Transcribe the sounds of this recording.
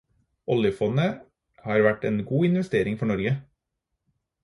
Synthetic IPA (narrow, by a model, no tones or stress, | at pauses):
ʔɔljəfɔnə | hɑːɾʋæʈeːnɡuːɪnʋɛst̪eːɾɪŋfɔɳɔɾɡə